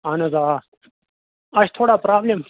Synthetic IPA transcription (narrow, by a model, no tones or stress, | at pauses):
anɐza | ɐɕt̪ʰoːɽaːpɾaːblem